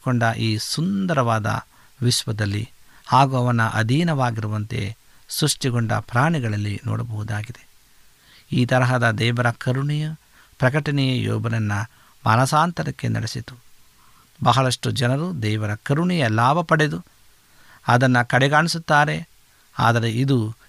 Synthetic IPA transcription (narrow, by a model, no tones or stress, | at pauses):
koɳɖɐʔiːsund̪ɐɾɐʋaːd̪ɐ̰ | ʋiʃʋɐd̪ɐlːḭhaːɡuɐʋɐnɐʔɐ̰d̪ʱiːnɐʋaːɡiɾuʋɐnt̪e̞̰ | sɾuʂʈiɡoɳɖɐ̰pɾaːɳiɡɐɭɐlːinɔ̰ːɽɐbɐɦud̪aːɡid̪e̞ | iːt̪ɐɾɐɦɐd̪ɐd̪ɛːʋɐɾɐkɐɾuɳijɐ | pɾɐk̬ɐʈɐnɛjɐjɔ̰ːbɐnɐnːɐ | mɐ̰nɐsaːnt̪ɐɾɐkːe̞̰nɐ̰ɽesit̪u̥ | bɐɦɐɭɐʂʈud͡ʒɐnɐɾud̪ɛːʋɐɾɐkɐɾuɳijɐlaːbʱɐpɐɽe̞d̪u | ɐd̪ɐnːɐkɐɽeɡaːɳisut̪ːaːɾe̞ | a̰ːd̪ɐɾe̞id̪u